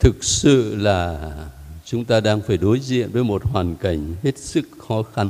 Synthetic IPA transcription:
t̪ʰɨ˨˩k̚sɨ̰˧˨laː˨˩ | t͡ɕʊ˨˦ŋ͡mt̪aː˧ɗaː˧ŋfaː˧˩jɗo˨˦jzḭ˧˨ənvəː˨˦jmo˨˩t̚hwaː˨˩nka˧˩jŋ̟he˦˥t̚sɨ˦˥k̚xɔ˨˦xa˧n

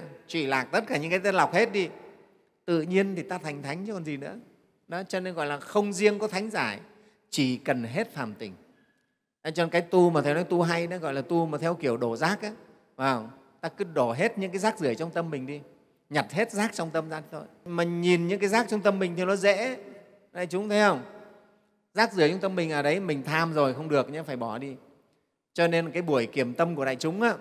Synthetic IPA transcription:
t͡ɕwḭ˧˩laː˨˩k̚t̪ə˦˥t̚kaː˧˩ɲɨ̰˧˥kaː˨˦t̪ə˧nla˨˩wk͡p̚he˦˥t̚ɗi˧ | t̪ɨ̰˧˨ɲi˧ənt̪ʰi˨˩t̪aː˧t̪ʰa˨˩ŋ̟t̪ʰa˨˦jŋ̟t͡ɕkɔ˨˩nzi˨˩nɨ̰˧˥ə | ɗɔ˨˦t͡ɕɔ˧ne˧nɣɔ̰˧˨jlaː˨˩xə˧wŋ͡mzi˧əŋkɔ˨˦t̪ʰa˨˦jŋ̟zaː˧˩ | t͡ɕi˧˩kə˨˩nɦe˦˥t̚faː˨˩mt̪ï˨˩ŋ̟ | a˨˦t͡ɕɔ˧kaː˨˦jt̪u˧ma˨˩ɛ˧wnɔ˨˦jt̪u˧ɦa˧jɗa˨˦ɣɔ̰˧˨jlaː˨˩t̪u˧maː˨˩t̪ʰɛ˧wki˧˩əwɗo˧˩zaː˦˥k̚ʔaː˨˦ | vaː˨˩w | t̪aː˧kɨ˨˦ɗo˧˩ɦe˦˥t̚ɲɨ̰˧˥ŋkaː˨˦jzaː˦˥k̚zɨ˧˩əjt͡ɕɔ˧wŋ͡mt̪ə˧mmï˨˩ŋ̟ɗi˧ | ɲa˨˩t̚he˦˥t̚zaː˦˥k̚t͡ɕɔ˧wŋ͡mt̪ə˧mzaː˧ɗi˧˦t̪ʰo˧jma˨˩ɲi˨˩nɲɨ̰˧˥ŋkaː˨˦jzaː˦˥k̚t͡ɕɔ˧wŋ͡mt̪ə˧mï˨˩ŋ̟t̪ʰi˨˩nɔ˨˦zɛ̰˧˥ | ɗa̰ː˧˨jt͡ɕʊ˨˦ŋ͡mt̪ʰɛ˧˦hə˧wŋ͡m | zaː˦˥k̚zɨ˧˩ət͡ɕɔ˧wŋ͡mt̪ə˧mï˨˩ŋ̟ʔəː˨˩ɗə˨˦jmï˨˩ŋ̟t̪ʰaː˧mzo˨˩jxə˧wŋ͡mɗɨ˨˩ək̚ɲa˧˦faː˧˩jɓɔ˧˩ɗi˧ | t͡ɕɔ˧ne˧nkaː˨˦jɓu˧˩əjki˧˩əmt̪ə˧mku˧˩əɗa̰ː˧˨t͡ɕʊ˨˦ŋ͡mʔaː˨˦

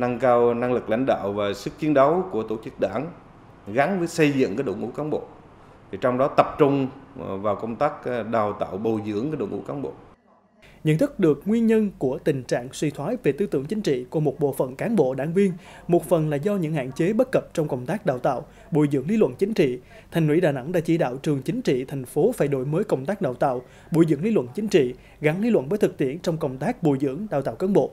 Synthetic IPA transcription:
na˧ŋkaː˧wna˧ŋlɨ˨˩k̚la̰˧˥jŋ̟ɗa̰ː˧˨wvaː˨˩sɨ˦˥k̚t͡ɕi˨˦ənɗə˨˦wku˧˩ət̪o˧˩t͡ɕɨ˦˥k̚ɗaː˧˩n | ɣa˨˦nvəː˨˦jsə˧jzɨ̰˧˨ŋkaː˨˦jɗo̰˧˨ŋʔṵ˧˥kaː˨˦nɓo̰˧˨ | t̪ʰi˨˩t͡ɕɔ˧wŋ͡mɗɔ˨˦t̪ə˨˩p̚t͡ɕʊ˧ŋ͡mvaː˨˩wkə˧wŋ͡mt̪aː˦˥k̚ɗaː˨˩wt̪a̰ː˧˨wɓo˨˩zɨ̰˧˩˥əŋkaː˨˦jɗo̰˧˩ŋʔṵ˧˥˦kaː˨˦nɓo̰˧˨ | ɲə̰˧˨nt̪ʰɨ˦˥k̚ɗɨ˨˩ək̚ŋwi˧ənɲə˧nku˧˩ət̪ï˨˩ŋ̟t͡ɕa̰ː˧˨ŋswi˧t̪ʰwaː˨˦jve˨˩t̪ɨ˧t̪ɨ˧˩əŋt͡ɕï˨˦ŋ̟t͡ɕḭ˧˨kmo˨˩t̚ɓo̰˧˨fə˨˩nkaː˨˦nɓo̰˧˨ɗaː˧˩ŋvi˧ən | mo˨˩t̚fə˨˩nlaː˨˩zɔ˧ɲɨ̰˧˥ŋha̰ː˧˨nt͡ɕe˨˦ɓə˦˥t̚kə˨˩p̚t͡ɕɔ˧wŋ͡mkə˧wŋ͡mt̪aː˦˥k̚ɗa̰ː˧˩wt̪a̰ː˧˨w | ɓu˨˩jzɨ̰˧˥əŋli˧lwə̰˧˨nt͡ɕï˨˦ŋ̟t͡ɕḭ˧˨ | t̪ʰɛ˨˩jŋhwḭ˧˥˩ɗaː˨˩na˧˩ŋɗa̰ː˧˥t͡ɕi˧˩ɗa̰ː˧˨wt͡ɕɨ˨˩əŋt͡ɕï˨˦ŋ̟t͡ɕḭ˧˨t̪ʰɛ˨˩jŋ̟fo˨˦faː˧˩jɗo̰˧˩jməː˨˦jkə˧˩wŋ͡mt̪aː˦˥k̚ɗaː˧˨˩wt̪a̰ː˧˨w | ɓu˧˩jzɨ̰˧˥əŋli˧lwə̰˧˨nt͡ɕï˨˦ŋ̟t͡ɕḭ˧˨ | ɣa˨˦ŋli˧lwə̰˧˨nvəː˨˦jt̪ʰɨ˨˩k̚t̪ḭ˧˨ənt͡ɕɔ˧wŋ͡mkə˧˩wŋ͡mt̪aː˦˥k̚ɓu˨˩jzɨ̰˧˥əŋɗaː˨˩wt̪a̰ː˧˨wkaː˨˦nɓo̰˧˨

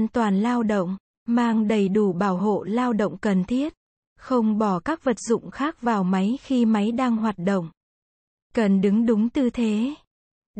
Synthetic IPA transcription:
nt̪waː˨˩nlaː˧wɗə̰˧˨wŋ͡m | maː˧ŋɗə˨˩jɗu˧˩ɓaː˧˩wɦo̰˧˨laː˧wɗə̰˧˨wŋ͡mkə˨˩nt̪ʰi˦˥ət̚ | xə˧wŋ͡mɓɔ˧˩kaː˦˥k̚və˨˩t̚zʊ̰˧˨ŋ͡mxaː˦˥k̚vaː˨˩wma˨˦jxi˧ma˨˦jɗaː˧ŋɦwaː˨˩t̚ɗo̰˧˨wŋ͡m | kə˨˩nɗɨ˨˦ŋɗʊ˨˦ŋ͡mt̪ɨ˨˩t̪ʰe˨˦

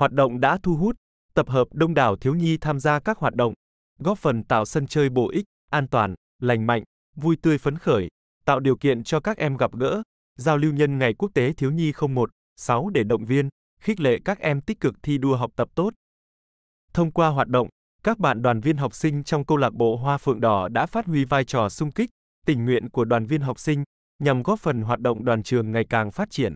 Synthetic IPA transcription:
hwaː˨˩t̚ɗə̰˧˨wŋ͡mɗa̰ː˧˥t̪ʰu˧ɦu˦˥t̚ | t̪ə˨˩p̚ɦəː˨˩p̚ɗə˧wŋ͡mɗaː˧˨˩wt̪ʰi˨˦wɲi˧t̪ʰaː˧mzaː˧kaː˦˥k̚hwaː˨˩t̚ɗə̰˧˨wŋ͡m | ɣɔ˦˥p̚fə˨˩nt̪a̰ː˧˨wsə˧nt͡ɕəː˧jɓo̰˧˨ʔi˦˥k̟̚ʔaː˧nt̪waː˨˩n | la˨˩jŋ̟ma̰˧˨jŋ̟ | vu˧jt̪ɨ˧əjfə˨˦nxəː˧˩j | t̪a̰ː˧˨wɗi˨˩əwkḭ˧˨ənt͡ɕɔ˧kaː˦˥k̚ʔɛ˧mɣa˨˩p̚ɣə̰ː˧˥ | zaː˧wli˧wɲə˧nŋa˨˩jku˦˥ək̚t̪e˨˦t̪ʰi˨˦əwɲi˧xə˧wŋ͡mmo˨˩t̚ | sa˨˦wɗe˧˩ɗə̰˧˨wŋ͡mvi˧ən | xï˦˥k̚lḛ˧˨kaː˦˥k̚ʔɛ˧mt̪ï˦˥k̟̚kɨ˨˩k̚t̪ʰi˧ɗu˧əɦa˨˩wk͡p̚t̪ə˨˩p̚t̪o˦˥t̚ | t̪ʰə˧wŋ͡mkwaː˧ɦwaː˨˩t̚ɗə̰˧˨wŋ͡m | kaː˦˥k̚ɓa̰ː˧˨nɗwaː˨˩nvi˧ənɦa˨˩wk͡p̚sï˧ŋ̟t͡ɕɔ˧wŋ͡mkə˧wlaː˨˩k̚ɓo̰˧˨ɦwaː˧fɨ̰˧˨əŋɗɔ˨˩ɗa̰ː˧˥faː˦˥t̚hwi˨˦vaː˧jt͡ɕɔ˨˩sʊ˧ŋ͡mkï˦˥k̟̚ | t̪ï˨˩ŋ̟ŋwḭ˧˨ənku˧˩əɗwaː˨˩nvi˧ənɦa˨˩wk͡p̚sï˧ŋ̟ | ɲa˨˩mɣɔ˨˦˥fə˨˩nɦwaː˨˩t̚ɗə̰˧˨ŋ͡mɗwaː˨˩nt͡ɕɨ˨˩əŋːa˨˩jkaː˨˩ŋfaː˦˥t̚t͡ɕi˧˩ən

